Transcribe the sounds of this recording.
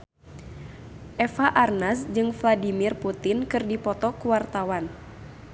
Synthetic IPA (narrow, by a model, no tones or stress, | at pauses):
ʔɛfaʔarnasd͡ʒɨŋfladimirput̪inkɨrdipɔt̪ɔkuwart̪awan